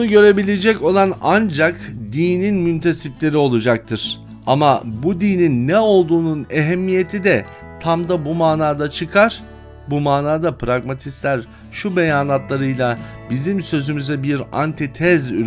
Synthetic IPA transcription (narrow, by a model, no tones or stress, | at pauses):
unuɟø̞ɾe̞bilʲed͡ʒɛco̞lˠanand͡ʒakd̪iːninmynt̪ʰe̞siplʲe̞ɾio̞lˠud͡ʒak̚t̪ʰɯɾ̥ | amabud̪iːninːɛo̞lˠd̪uːnuneɦɛmːije̞t̪ʰid̪ɛ | t̪ʰamd̪abumaːnaːd̪at͡ʃʰɯkʰaɾ̥ | bumaːnaːd̪apɾaɡmat̪ʰislʲæɾ | ʃube̞jaːnat̪lˠaɾɯjlˠa | bizimsø̞zymyzɛbiɾa̰nt̪ʰit̪ʰɛzy